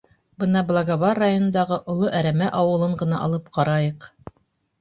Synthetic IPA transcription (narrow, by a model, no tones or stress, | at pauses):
bɤnɑblˠaɡaβɑrːajonɤ̆nd̪ɑʁɤʔŏlˠoʔæɾæmæʔɑwɤ̆lˠɤɴɢɤ̆nɑʔɑ̰lˠɤp̚qɑɾɑjɤq